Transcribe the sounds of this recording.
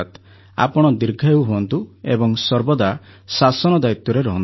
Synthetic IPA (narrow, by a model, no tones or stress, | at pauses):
t̪ | a̰pɔɽ̃ɔd̪iɾɡʱaewɦuɔnt̪uebɔŋsɔɾbɔd̪asasɔnɔd̪ajit̪jɔɾeɾɔɦɔn